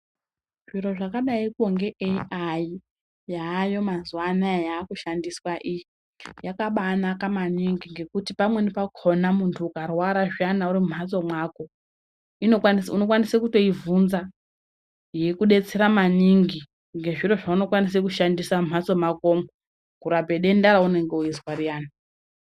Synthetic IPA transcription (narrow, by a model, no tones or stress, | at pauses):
ʐ̥iro̞ʐakaɗaikoŋɡe̞ʔeiʔaji | jaːjo̞mazuwanajaːkuʃandiswaʔiji | jakaɓaːnakamaniŋɡiŋɡe̞kutipamwenipakʰonamuntʰuːkarwaɾaʐjanauɾimum̤at͡so̞mwaːko̞ | inosuno̞kwanisekuto̞ivunza | je̞kuɗe̞t͡se̞ɾamaniŋɡi | ŋɡe̞ʐiɾo̞ʐauno̞kwanis̬ekuʃandisamum̤at͡so̞mako̞mo | kuɾabʱe̞ɗe̞ndaɾaune̞ŋɡe̞ujizwarijaːna